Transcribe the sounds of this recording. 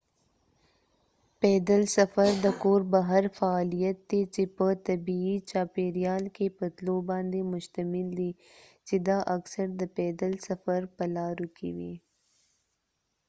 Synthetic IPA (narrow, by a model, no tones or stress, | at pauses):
ped̪əlsɐfəɾd̪əkoːɾbaɦɐɾfaːlijɐt̪̚d̪et͡ʃepət̪ɐbiit͡ʃaːpeɾijɑːlkepət̪lobɑ̃ːnd̪emʊʃt̪ɐmɪld̪i | t͡ʃed̪aʔɐksəɾd̪əpeːd̪əlsɐfəɾpɐlɑːɾukḭwḭ